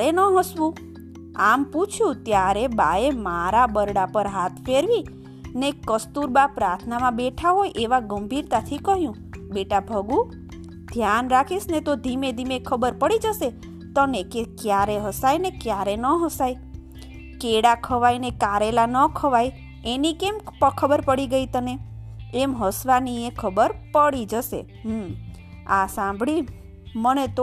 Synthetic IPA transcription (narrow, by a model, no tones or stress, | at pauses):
ɾenəɦəsʋũ | amput͡ʃʰjũt̪jaɾebaemaɾabəɾɽapəɾɦat̪ʰfeɾʋi | nekəst̪uɾbapɾaɾt̪ʰnamãbeʈʰaɦojʔeʋaɡəmbʱiɾt̪at̪ʰikəɦjũ | beʈabʱəɡũ | d̪ʱjanɾakʰisnet̪od̪ʱimed̪ʱimekʰəbəɾpəɽid͡ʒəʃe | t̪ənekekjaɾeɦəsajnekjaɾenəɦəsaj | keɽakʰəʋajnekaɾelanəkʰəʋaj | enikempəkʰəbəɾpəɽiɡəit̪əneemɦəsʋaniekʰəbəɾpəɽid͡ʒəʃḛ | ɦ | asãmbʱɭi | mənet̪o